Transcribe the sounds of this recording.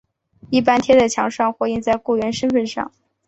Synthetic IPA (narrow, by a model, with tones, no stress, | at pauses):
i˥˩p̬a˥nt̪ʰjɛ˥d̪ə˨˩t͡ɕʰjɑ˧˥ŋʂɑ˥˧ŋxwɔ˧˥i˥˧nt͡sa˥˧ɪku˥˩ɥɛ˧˥nʂə˥nfə˥˧nʂɑ̰˥˩ŋ